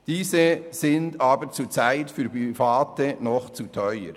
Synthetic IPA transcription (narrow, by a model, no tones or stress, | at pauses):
d̥iːzəzɪndaːbəɾt͡suːt͡saɪtfyːɾpifaːtənɔχt͡sutʰœʏə̰ɾ